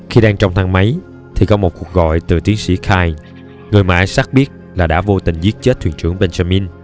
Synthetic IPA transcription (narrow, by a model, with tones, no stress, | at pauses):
xi˧ɗaː˧ŋt͡ɕɔ˧wŋ͡mt̪ʰa˧ŋma˨˦j | t̪ʰi˨˩kɔ˨˦mo˨˩t̚ku˨˩ək̚ɣɔ̰˧˨jt̪ɨ˨˩t̪i˨˦əŋsḭ˧˥˩xʰaː˧j | ŋɨ˨˩əjma̰ː˨˧jsa˦˥k̚ɓi˦˥ət̚laː˨˩ɗa̰ː˧˥vo˧t̪ï˨˩ŋ̟zi˦˥ət̚t͡ɕe˦˥t̚t̪ʰw̰ənt͡ɕɨ̰˧˩əŋɓe˧nza˧mi˧n